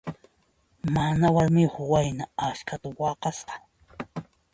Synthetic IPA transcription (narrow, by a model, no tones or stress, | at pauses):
manawaɾmɪhʊwajnaaʃkʰat̪awɑqɑsqɑ̥